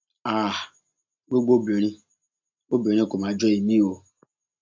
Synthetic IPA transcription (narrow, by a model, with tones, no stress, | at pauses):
a˦˨ | we˦ɡ͡bo˦bo˨ɾi˦ | o˦bo˨ɾ̃i˦ko˨ma˨d͡ʒɔ˦i˨mi˦o˨